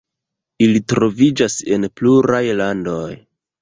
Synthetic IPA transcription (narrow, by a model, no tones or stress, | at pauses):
ilitɾo̞vid͡ʒase̞npluɾajlando̞j